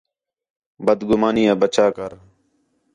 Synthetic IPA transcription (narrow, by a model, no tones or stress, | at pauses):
bəd̪ɡʊmaːniːaːbət͡ʃʰaː